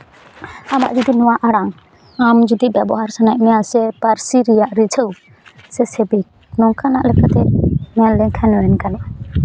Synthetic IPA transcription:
ama̰ʔd͡ʒud̪inɔwaʔaɽaŋ | amd͡ʒud̪ibjabɔɦaɾsanaʔmɛjasɛpaɾsiɾijaʔɾit͡ʃʰəw | sɛsɛbik̚ | nɔŋkʰanaʔlɛkat̪ɛmɛalɛŋkʰɛnɔwɛnkanɛʔ

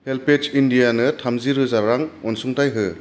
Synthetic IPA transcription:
helpet͡ʃindijanɯtʰamziɾɯzaɾaŋɔnsuŋtajɦɯ

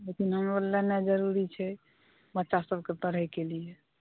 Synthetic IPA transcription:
lekinɦəmolːanad͡ʒəɾuɾit͡ʃʰɛ | bətːʃasəb̚ʱket̪əɾ̤əjkelije

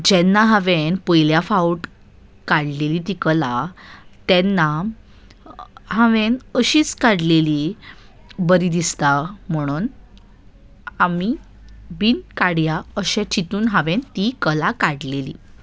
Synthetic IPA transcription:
d͡ʑɛnːaɦaʋenpəjljafauʈ | kaɽlelit̪̬ikəlat̪ɛnːa | ɦaʋenəɕiːt͡skaɽleli | bəɾid̪ist̪am̤əɽ̃uːn | ami | biːnkaɽjaəɕɛ̃t͡ɕit̪uːnɦaʋent̪ikəlakaɽlelḭː

